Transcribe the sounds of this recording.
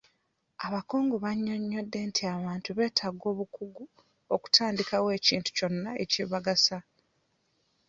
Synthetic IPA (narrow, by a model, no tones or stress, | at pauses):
aβako̞ːŋɡo̞βaɲːo̞ɲːo̞dːe̞ntʰiaβaːntuβe̞ːtʰaɡo̞ːβukuɡu | oku̥tʰaːndikawe̞ːciːntu̥co̞nːae̞̰ciβaɡasa